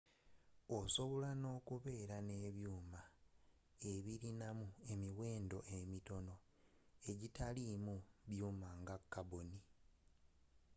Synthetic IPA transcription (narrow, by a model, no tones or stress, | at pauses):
oso̞βo̞lano̞ːkuβe̞ːɾane̞ːβjuːma | e̞βiɾinamue̞miwe̞ːndo̞ʔe̞mito̞no̞ | e̞ɟitalimuβjuːmaŋɡakːaboni